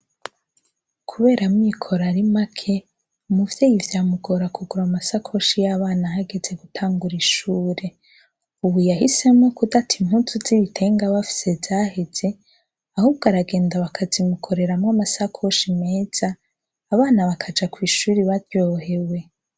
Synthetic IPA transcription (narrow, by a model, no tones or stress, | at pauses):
kʰuβe̞ːɾamŋiːkʰo̞ɾaɾimakʰe̞ | umuvje̞ːjivjaːmuɡo̞ɾakʰuɡuɾamasakʰo̞ʃijaβaːnaɦaɡeze̞ɡutʰaːŋɡuɾiʃuːɾe̞ | uβujahise̞mŋokudatʰim̥hutuz̥iβitʰe̞ːŋɡaβafi̥se̞vz̥aːhe̞z̥e̞ | ahuːbɡaɾaɡe̞ːndaβakʰazimukʰo̞ɾe̞ɾamŋamasakʰo̞ʃime̞ːz̥aː | βaːnaβakʰad͡ʒakwiːʃuːɾiβaɾjo̞ɦe̞we̞